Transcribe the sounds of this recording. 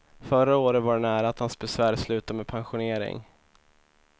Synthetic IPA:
fœɾaoːɾət̪vaɖɛnæːɾaːt̪hansbɛsvæːɾslʉ̟ːt̪amɛːdpʰanɧʊneːɾɪ̰ŋ

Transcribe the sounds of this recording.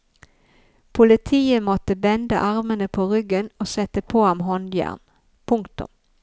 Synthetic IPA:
pʰʊlɪt̪ʰiːəmɔt̪əbɛnd̪əʔɑʁmənəpʰoːʁʏɡənoːsɛt̪əpʰoːhɑmɦɔnd̪jæ̰ʁn | pʰʊŋkt̪ʊ̰m

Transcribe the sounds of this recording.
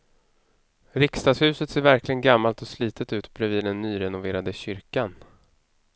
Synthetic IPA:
ɾɪkst̪ɑːshʉ̟ːsət̪seːɾvæɾklɪɡənɡamːalt̪ɔsliːt̪ʰət̪ʉ̟ːt̪bɾɛviːd̪ɛnːyːɾɛnʊveːɾad̪əɕʏɾkan

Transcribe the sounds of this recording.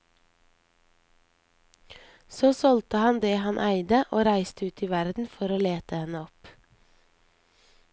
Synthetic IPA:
soːsɔlt̪əhɑnd̪eːhɑnʔæɪd̪əʔoːɾæɪst̪əʉːt̪ʰiːʋæɾd̪n̩fɔɾoːleːt̪əhɛnəɔp

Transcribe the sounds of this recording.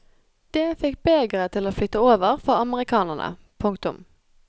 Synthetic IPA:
d̪̥eːfɪkbeːɡʁət̪ʰɪloːflʏt̪ːəoːʋəʁfɔʁɑməʁɪkʰɑːnəʁnʔə̰ | pʰʊŋkt̪ʊ̰m

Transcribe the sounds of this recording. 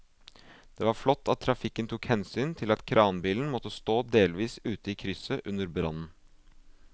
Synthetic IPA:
d̪̥ɛʋɑɾflɔt̪ːɑt̪ʰːɾɑfɪkːənt̪ʰukhɛnsyːnt̪ʰɪlɑt̪kʰɾʔɑːnbiːln̩mɔt̪ːəst̪oːd̪eːlʋiːsʉːt̪əiːkʰɾʏsəʔʉnːəɾbɾɑ̰nn̩

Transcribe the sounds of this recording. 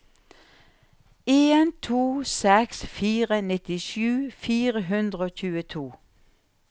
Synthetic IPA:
eːnt̪ʰuːsɛksfiːʁənɪt̪ɪʃʉːfiːʁəɦʉnd̪ʁəoːçʉːət̪ʰuː

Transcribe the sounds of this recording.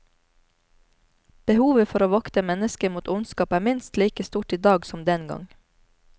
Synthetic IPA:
b̥əhuːʋəfɔɾoːʋɑkt̪əmɛnəskəmuːt̪ʊnskɑːpæːmɪnst̪liːkəst̪uːʈiːd̪ɑːɡsɔmd̪ɛnɡɑ̰ŋ

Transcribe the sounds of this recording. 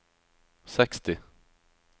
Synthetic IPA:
sɛkst̪ɪ

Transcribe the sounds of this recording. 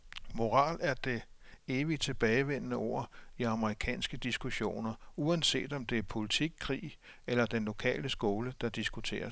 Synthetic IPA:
mo̝ʁɑ̈ːlæɐd̥e̝e̝ːʋit͡sʰe̝b̥ɛːɪʋen̰ənəo̝̰ɐ̰iɑ̈məʁikʰɛ̰ːnsɡ̥əd̥isɡ̥uɕo̝̰ːnɐuænse̝̰ːd̥ɒ̽md̥e̝æɐpʰo̝lit͡sʰiɡ̥̚kʰʁḭː | elɐd̥enlo̝kʰɛ̰ːləsɡ̥o̝ːləd̥ɑ̈d̥isɡ̥ut͡sʰe̝̰ːɐs

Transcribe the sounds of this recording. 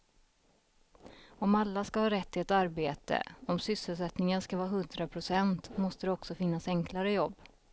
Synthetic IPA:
ɔmalːaskahɑːɾɛt̪ʰːɪɛt̪aɾbeːt̪ə̰ɔmsʏsəlsɛt̪nɪŋənskavɑːɦɵnd̪ɾapʰɾʊsɛnt̪mɔst̪əd̪ɛɔksɔfɪnːasɛŋklaɾəjɔbː

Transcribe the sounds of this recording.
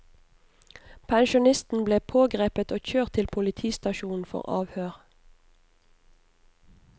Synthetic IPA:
pʰæŋʃʊnɪst̪n̩bleːpʰoːɡʁeːpət̪oːçøːʁt̪ʰɪlpʰʊlɪt̪ʰiːst̪ɑʃuːn̩fɔ̰ʁɑ̰ːʋhøːʁ

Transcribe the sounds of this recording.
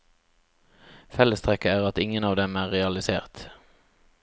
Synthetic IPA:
fɛləst̪ʰʁɛkəæːʁɑt̪ɪŋənɑːʋd̪ɛmæːʁʁɛɑlɪsḛːʁt̪

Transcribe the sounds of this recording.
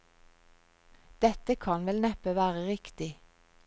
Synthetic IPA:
d̪̥ɛt̪əkʰɑnʋɛlnɛpəʋæːʁəʁɪkt̪ɪ

